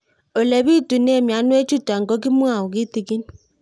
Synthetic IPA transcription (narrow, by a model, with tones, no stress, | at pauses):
o˨lɛ˨βi˦tu˨nɛ˦˨mja˨˦nwe˦t͡ʃu˦ta˨ŋ˨ɡɔ˦ki˦mwa˦˨o˨ɣi˦ti˨ɣi˦ni˦